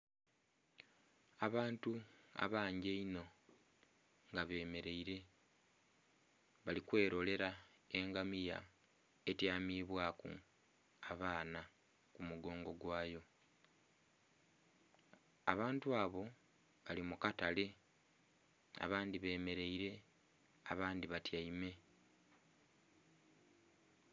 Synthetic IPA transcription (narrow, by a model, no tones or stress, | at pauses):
aβaːntua̰βaːɲɟeino̞ | ŋɡaβe̞ːme̞ɾe̞iɾe̞ | βalikwe̞ːɾo̞le̞ɾa | e̞ŋɡamija̰ | etjaːmiːβwaːkṵ | aβaːna | kumuɡo̞ːŋɡo̞ɡwaːjo̞ | a̰βaːntuaːβo̞ | βalimukatale̞ | a̰βaːndiβe̞ːme̞ɾe̞iɾe̞ | aβaːndiβatjaime̞